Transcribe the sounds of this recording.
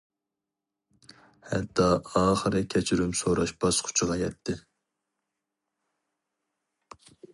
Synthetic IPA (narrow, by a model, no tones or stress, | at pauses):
hɛ̰t̪ʰːɑɑːχəɾɨkʲʰɛt͡ʃʰiɾymsoɾɑʃbɑsqʰʊ̥t͡ʃʰʁɑjɛt̪ʰːɪ